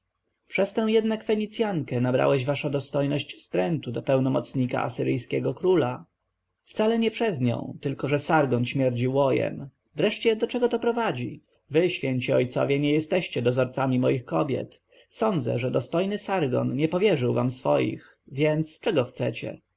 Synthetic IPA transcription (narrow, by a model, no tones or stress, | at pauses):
pʂɛst̪ɛ̃w̃jɛd̪nakfɛɲit̪sʲjaŋkɛnabɾa̰wɛʑvaʂɔd̪ɔst̪ɔjnɔɕt͡ɕfst̪ɾɛnt̪ud̪ɔpɛwnɔmɔt̪sɲika̰ʔa̰sɘɾɘjskʲɛɡɔkɾula | ft̪salɛɲɛpʂɛzɲɔ̰̃w̃t̪ɘlkɔʐɛsaɾɡɔnɕmʲjɛɾd͡ʑiwɔjɛ̰m | vɾɛʂt͡ɕɛd̪ɔt͡ʂɛɡɔt̪ɔpɾɔvad͡ʑḭ | vɘɕfʲjɛɲt͡ɕiɔjt̪sɔ̰vʲjɛɲɛjɛst̪ɛɕt͡ɕɛd̪ɔzɔɾt̪samʲimɔjixkɔbʲjɛ̰t̪ | sɔnd̪zɛ̰ʐɛd̪ɔst̪ɔjnɘsaɾɡɔ̰nɲɛpɔvʲjɛʐɘwva̰msfɔ̰jḭx | vʲjɛnt̪st͡ʂɛɡɔxt̪sɛ̰t͡ɕɛ̰